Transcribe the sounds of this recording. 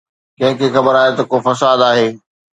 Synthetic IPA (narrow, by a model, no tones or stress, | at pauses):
kɐ̃ɦɪ̃kʰeːxɐbəɾaːɦet̪ɐkofɐsaːd̪aːɦeː